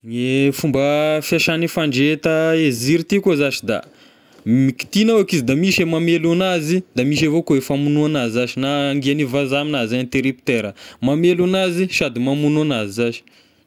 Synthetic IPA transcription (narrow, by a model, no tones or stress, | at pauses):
ŋefumbəfiaʃanifaɳɖ͡ʐet̪əeziɾit̪ikozaʃid̪a̰ | miki̥t̪inawakizid̪amiʃemamelanazid̪amiʃ̬evokoefamunuanazizaʃinaːŋɡianivazaminazaɲt̪eɾip̚t̪eɾəmamelanaziʃad̪imamunuanazizaʃi̥